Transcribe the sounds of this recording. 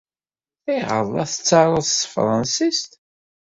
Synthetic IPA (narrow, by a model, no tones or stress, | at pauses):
θæjʁə̰lˤːɑθət͡sːɑɾˤəðfɾˤɑnsist̪